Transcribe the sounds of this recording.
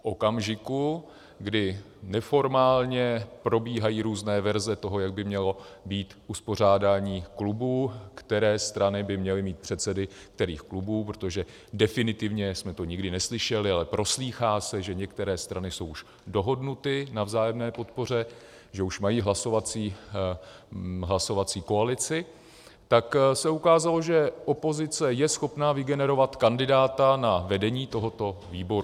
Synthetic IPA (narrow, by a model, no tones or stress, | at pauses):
fʔo̞kamʒɪku | ɡdɪ | nɛfo̞ɾmaːlɲɛpɾo̞biːɦajiːɾuːznɛːvɛɾzɛt̪o̞ɦo̞jaɡ̚bɪmɲɛlo̞biːt̪ʔuspo̞r̝aːdaːɲiːklubuːkt̪ɛɾɛːst̪ɾanɪbɪmɲɛlɪmiːt̪̚pr̝̥ɛt̪sɛdɪ | k̚t̪ɛɾiːxklubuːp̬ɾot̪o̞ʒɛ | dɛfɪnɪt̪ɪvɲɛsmɛt̪o̞ɲɪɡdɪnɛslɪʃɛlɪalɛpɾʔo̞sliːxaːsɛʒɛɲɛkt̪ɛɾɛːst̪ɾanɪso̞wuʃ | do̞ɦo̞dnut̪ɪnavzaːjɛmnɛːpo̞t̪̚po̞r̝ɛ | ʒɛuʃmajiːɦlaso̞vat͡siː | ɦlaso̞vat͡siːko̞alɪt͡sɪ | t̪aksɛukaːzalo̞ʒɛʔo̞po̞zɪt͡sɛjɛsxo̞pnaːvɪɡɛnɛɾo̞vat̪kandɪdaːt̪anavɛdɛɲiːt̪o̞ɦo̞t̪o̞viːbo̞ɾu